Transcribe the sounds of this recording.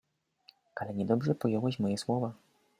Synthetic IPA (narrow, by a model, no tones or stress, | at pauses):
ʔalɛɲɛd̪ɔbʐɛpɔjɔwɛɕmɔjɛswɔva